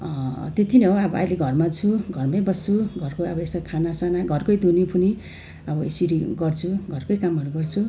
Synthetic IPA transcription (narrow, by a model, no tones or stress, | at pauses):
t̪et̪ʰineɦoʌbʌʌ̰jleɡʱʌrmat͡sʰuɡʱʌrmʌjbʌst͡sʰuɡʱʌrkoʌbʌest̪ʌkʰanasanaɡʱʌrkʌjd̪ʱunipʰuni | ʌbʌḛsiɾiɡʌrt͡sʰuɡʱʌrkʌjkamʌɾuɡʌrt͡sʰu